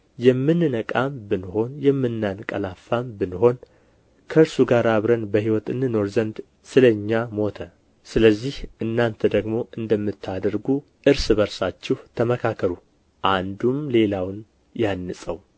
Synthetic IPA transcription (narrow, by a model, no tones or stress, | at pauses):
jɛmːɨnɨnəkʼambɨnho̞njɛmːɨnːankʼəlafːambɨnho̞n | kʰəɨɾsuɡaɾaβɾənbəhiwɔt̪ɨnːɨno̞ɾzənd̪ | sɨləɲːamo̞t̪ʰə | sɨləzːihɨnːant̪ʰəd̪əɡmo̞ʔɨnd̪əmːɨt̪ʰːad̪əɾɡu | ʔɨɾsɨbəɾsat͡ʃːɛht̪ʰəməkʰakʰːəɾu | ʔand̪umle̞lawn | janːɨsʼəw